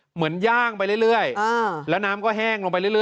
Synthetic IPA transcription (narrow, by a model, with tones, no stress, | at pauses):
mɯ˩˦ənjaː˥˩ŋpa˧jlɯ˥˩jlɯ˥˩əjlɛː˦˥wnaː˦˥mkɔː˥˩ɦɛː˥˩ŋlo˧ŋpa˧jlɯ˥˩jɯ˥˩